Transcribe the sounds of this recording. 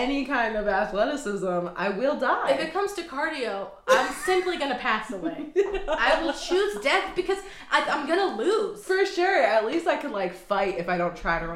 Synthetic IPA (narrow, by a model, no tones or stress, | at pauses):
ɛnikʰãɪ̃ndʌvæθlɛɾɨsɪzə̃ma̰ɪwɪlˠdaɪɪfɨt̚kʰʌ̃mz̥tʰɨkʰɑɹɾioʊ | ʔãɪ̃msɪ̃mpliɡʌnɨpʰæsəweɪaɪwɪlˠt͡ʃʰʉzdɛθb̥ɨkʰʌz | ʔaɪãɪ̃mɡʌnəluz̥fə˞ʃʊɹɨtˡlistaɪkʰɨ̃nlaɪkfaɪɾɨfaɪɾõʊ̃ntʰɹ̥aɪɾɨɹʌ̃